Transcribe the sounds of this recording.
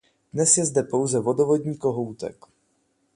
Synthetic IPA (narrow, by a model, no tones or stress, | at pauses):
dnɛsjɛzdɛpo̞wzɛvo̞dovo̞dɲiːko̞ɦowt̪ɛ̰k